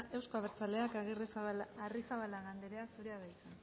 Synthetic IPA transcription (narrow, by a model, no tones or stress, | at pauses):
e̞wsko̞aβ̞eɾt͡sale̞akaɣirislarisaβalaɣand̪eɾe̞asuɾeaðajsan